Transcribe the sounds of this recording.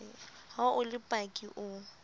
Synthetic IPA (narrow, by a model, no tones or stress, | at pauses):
haʔʊlɪpʼakʼiʔʊ